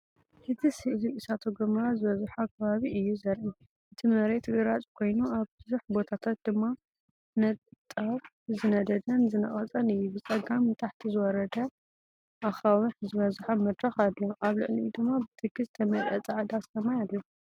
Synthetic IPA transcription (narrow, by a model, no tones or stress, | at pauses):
hɨt̪ʰisiʔliɨsat̪ʰoɡɐmɾazɨβɐzħakʰɐβaβiʔɨjːuzɐɾʔi | ʔɨt̪ʰimɐɾet̪ʼɡɨɾat͡sʼkʰo̞jnuaβbɨzuħbo̞t̪ʰat̪ʰat̪̚d̪ɨmːa | nɐt̪t̪ʼaf | zɨnɐd̪ɐd̪ɐnzɨnɐχʼɐt͡sʼɐnɨjːubɨt͡sʼɐɡamt̪ʼaħt̪ʰizɨwɔɾɐd̪ɐ | ʔaxawɨħzɨβɐzħamɐd̪ɾɐxad̪lo̞ʔaβlɨ̰ʕlid̪ɨmːabɨt̪ʰɨɡɨzt̪ʰɐmɐlʔɐ̰t͡sʼaʕd̪aslɐmajad̪lɐ